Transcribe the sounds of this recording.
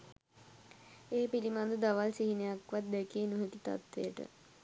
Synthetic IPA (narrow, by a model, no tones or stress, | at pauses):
eːpilimand̪ud̪aʋalsiɦinejakʋat̪̚d̪ekienuɦekit̪a̰t̪ʋejəʈə̰